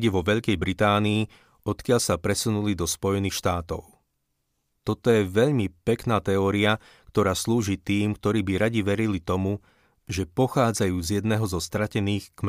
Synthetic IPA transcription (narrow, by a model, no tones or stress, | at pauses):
ɟɛʋɔʋɛʎkɛjbɾit̪aːniː | ɔt̪kɪaʎsapɾɛsunulid̪ɔspɔjɛniːxʃt̪aːt̪ɔʊ | t̪ɔt̪ɔjɛʋɛʎmipɛknaːt̪ɛɔːɾia | kt̪ɔɾaːsluːʒiːt̪iːmk̚t̪ɔɾiːbiɾaɟiʋɛɾilit̪ɔmu | ʒɛpɔxaːd͡zajuːzjɛd̪nɛːɦɔzɔst̪ɾacɛniːxkm